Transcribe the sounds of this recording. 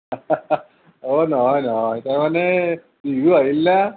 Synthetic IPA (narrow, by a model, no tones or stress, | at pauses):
onɔɦɔjnɔɦɔjtawmanɛ | biɡuaɦilna